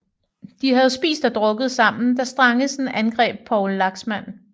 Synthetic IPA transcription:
d̥ihæð̩ˠsb̥ḭːsd̥ɒd̥ʁɔ̽ɡ̥əð̞̩ˠsɑ̈m̰n̩d̥ɑ̈sd̥ʁɑ̈ŋəsnʔænɡ̥ʁɛ̰ːb̥̚pʰɒʊlːɑ̈ɡ̥smæn̰

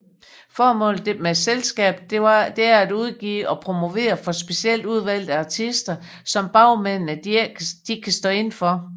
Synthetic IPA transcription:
fɒːmɔ̰̽ːld̥e̝meselsɡ̥ɛ̰ːb̥ɑd̥e̝æɐæd̥uð̞ˠɡ̥ḭːɒ̽pʰʁo̝mo̝ʋe̝̰ːɐfɒ̽sb̥e̝siel̰d̥uð̞ˠʋæl̰d̥̩ˠæɑt͡sʰisd̥ɐ | sɒ̽mb̥ɑ̈ʊ̰men̰nə̥d̥ikʰæsd̥ɔ̰̽ːe̝nfɒ̽

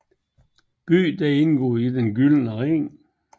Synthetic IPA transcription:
b̥y̰ːd̥æe̝nɡ̥ɔ̰ːid̥enɡylnəʁeŋ

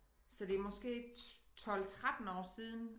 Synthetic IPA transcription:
sɒ̽d̥e̝æɐmɒ̽sɡ̥e̝̰ːt͡sʰɒ̽l̰t͡sʰʁad̥n̩ɒ̰ːsiːð̞ˠn̩

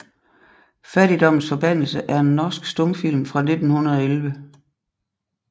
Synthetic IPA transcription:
fæd̥id̥ɒ̽m̰n̩sfɒ̽b̥æn̰l̩səʔæɐe̝nːɒːsɡ̥sd̥ɔ̽mfil̰mfʁɑ̈ne̝d̥n̩hunɐð̞ˠelʋə

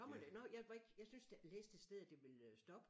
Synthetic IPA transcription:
ɒ̽m̰ɐd̥enɒjɑ̈ɪʋɑ̈e̝ɡ̥jɑ̈ɪsynsd̥eleːsd̥e̝̥sd̥eð̞̰ˠd̥e̝ʋe̝lsd̥ɒ̽b̥ə

